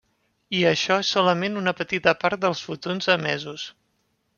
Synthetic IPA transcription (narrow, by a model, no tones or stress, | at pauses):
iəʃɔesːɔləmenunəpət̪it̪əpaɾt̪̚d̪əlˠsfut̪onzəmɛzus